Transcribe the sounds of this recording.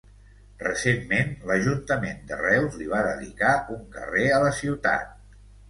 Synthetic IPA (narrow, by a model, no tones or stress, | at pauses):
rəsemːenləʒunt̪əmend̪ərɛwzliβ̞aðə̰ðḭkaʔuŋkə̰reələsiwt̪a̰t̪̚